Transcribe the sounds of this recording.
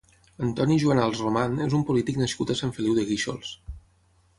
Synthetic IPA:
ənt̪ɔniʒuənalˠsrumanezumpulit̪iknəskut̪əsaɱfəliwðəɣiʃo̰lˠs

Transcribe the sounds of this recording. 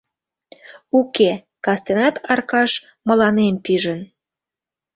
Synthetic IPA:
uke | kɑst̪enɑt̪ʰɑrkɑʃ | mə̆lɑnempiʒən

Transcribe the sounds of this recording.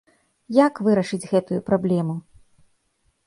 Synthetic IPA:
jakvɨɾɐʂɨd͡zʲɣɛt̪ujupɾablʲɛmu

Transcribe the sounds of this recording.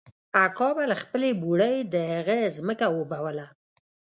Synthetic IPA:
akɑbalaxpəlebuɽəjd̪əhaɣəzməkawəbawəla

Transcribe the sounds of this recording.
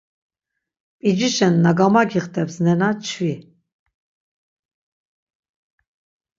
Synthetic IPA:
pʼid͡ʒiʃɛnːaɡamaɡiχt̪ʰʼɛpsnɛnat͡ʃʰvi

